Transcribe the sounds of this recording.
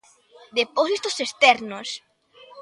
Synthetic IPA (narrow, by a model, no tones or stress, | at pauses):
d̪eposit̪osest̪ɛɾnos